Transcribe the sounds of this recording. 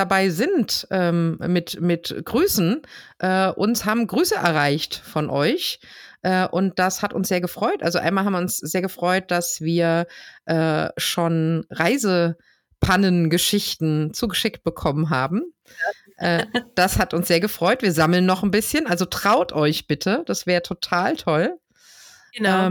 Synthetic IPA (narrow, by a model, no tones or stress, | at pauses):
dabaɪzɪntʔɛːmɪtmɪtɡ̥ʁyːsn̩ʔɛːʔʊ̰nshaːbm̩ɡʁyːsəʔɛ̰ɐʁ̞aɪçtfɔnʔɔʏçʔɛːʔʊnt̚d̥ashatʊnsz̥eːɐɡəfʁ̥ɔʏtʔa̰lzoʔa̰ɪnmaːlham̩viɪʊnsz̥eːɐɡəfʁ̥ɔʏt̚d̥asv̥iːɐʔɛːʃoːnʁaɪzə | pʰanənɡəʃɪçtn̩t͡suːɡəʃɪk̚t̚b̥əkʰɔmənɦaːbm̩ | ʔɛːd̥ashatʊnsz̥eːɐɡəfʁ̥ɔʏtv̥iːɐzaml̩nːɔχn̩bɪsçənʔalzotʁ̥aʊtʰʔɔʏçb̥ɪtʰəd̥asv̥ɛːʁətʰotʰaːltʰɔl | ɛː